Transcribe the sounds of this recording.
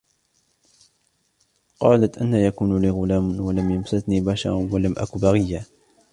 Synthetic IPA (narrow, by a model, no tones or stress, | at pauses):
qɑːlat̪ʔanːaːjakuːnliːɣʊlaːmwalamjamsat̪niːbaʃɑ̰ɾˤwalamʔa̰kubaɣɪjːaː